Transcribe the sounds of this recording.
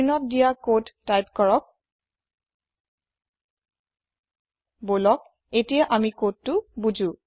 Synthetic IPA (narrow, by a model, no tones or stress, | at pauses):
nɔt̚dijakodtːajpkɔɹɔk̚ | bolɔk̚ | etijaʔamikod̚tʊbud͡ʒũ